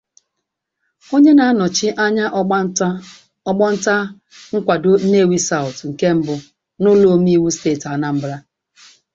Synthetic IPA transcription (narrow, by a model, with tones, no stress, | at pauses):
o˦ɲe˦na˨a˦nɔ˨t͡ʃɪ˦ʔa˦ɲa˦ʔ | ɡ͡bɔ˦n̩˦ta˦ | ŋ̩˦kʷa˨do˦ne˦˨wi˦sa˦˨ʊ˨tŋ̩˨ke˦m̩˦bʊ˨ | nʊ˦lo˨˦mi˦wu˦steː˦˨ta˨na˨m̩˦bɾa˦